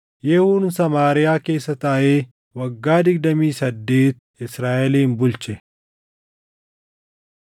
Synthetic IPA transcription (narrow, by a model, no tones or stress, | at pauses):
jɛhuːnsɐmaːɾɪjaːke̞ːsːɐt̪aːʔeː | wɐɡːaːd̪ɪɡ̚d̪ɐmiːsɐd̪ːe̞ːt̪ | ɪsɾaːʔɛliːnbʊlt͡ʃɛ